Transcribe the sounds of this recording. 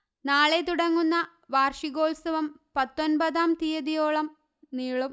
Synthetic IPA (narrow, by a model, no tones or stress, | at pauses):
naːɭet̪uɽɐŋːunːɐ | ʋaːrʂiɣo̞ːlsɐʋɐm | pɐt̪ːonbɐðaːmt̪ijɐðijo̞ːɭɐm | niːɭum